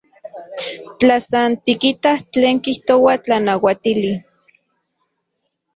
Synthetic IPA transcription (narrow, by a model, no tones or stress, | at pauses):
t͡ɬasant̪ikit̪aht͡ɬeːŋkiht̪owat͡ɬanawat̪ili